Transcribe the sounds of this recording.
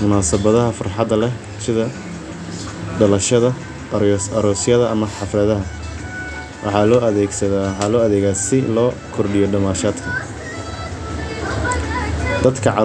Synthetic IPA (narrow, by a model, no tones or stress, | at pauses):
mʊnaːsɐβɐðɐɦɐfɐrħɑd̪ɐlɛ | sɪðɐ | ɖɐlɐʃɐðɐ | ɾsɐɾɔːsjɐðɐʔɐmɐħɑfrɐðɐɦɐ | wʔɑ̰ħɑːlɔːʔɐðɛːɡsɐðaħɑlɔːɐðɛːɣaːsɪlɔːkʰɔrɖɪjɔɖɐmaːʃaːd̪kʰɐ | d̪ɐd̪kʰɐʕɑ